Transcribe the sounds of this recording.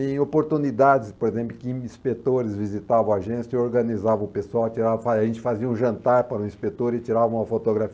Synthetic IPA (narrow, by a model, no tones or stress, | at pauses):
ẽj̃opoɾt̪unid̪ad͡ʒɪspoɾezẽmplʊkɪ̃ĩspet̪oɾɪzvizit̪avɐ̃w̃aʒẽsjeoɾɡɐnizavɐ̃ʊpesuawɐt͡ʃiɾavɐfaʒẽnt͡ʃɪ̥faziɐũʒɐ̃nt̪aɾpaɾũĩspet̪oɾɪt͡ʃiɾavɐ̃ũɐfot̪oɡɾafi